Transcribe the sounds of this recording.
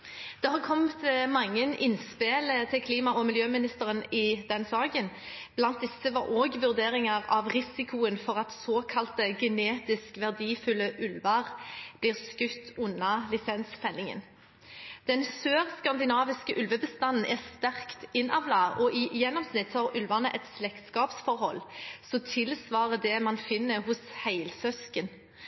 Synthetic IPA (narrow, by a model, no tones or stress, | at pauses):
d̪̥ɛhɑːʁkʰɔmt̪mɑŋːənɪnspeːlət̪ʰɪlkʰliːmɑʔɔmɪljøːmɪnɪst̪əʁənɪd̪ɛnsɑːɡən | b̥lɑnt̪̚d̪ɪsːəʋɑɾoːɡʋʉʁd̪eːɾɪŋɑʁɑʋʁɪsɪkʰʊənfɔʁɑt̪soːkʰɑlt̪əɡɛneːt̪ɪskʋæʁd̪iːfʉlːəʔʉlʋɑʁb̥liːʁskʉt̪ːʉnːɑlɪsɛnsfɛlɪŋə̰n | d̪̥ɛnsøːʁskɑnd̪ɪnɑːʋɪskəʔʉlʋəbəst̪ɑnn̩ʔɛʁst̪æʁkt̪ɪnɑʋlɑɔʔɪjɛnːɔmsnɪt̪hɑʁʉlʋɑnəʔɛt̪slɛkt̪skɑːpsfɔʁhɔlːsɔt̪ʰɪlsʋɑːʁəd̪ɛmɑnfɪnːəɦʊshæɪlsœskən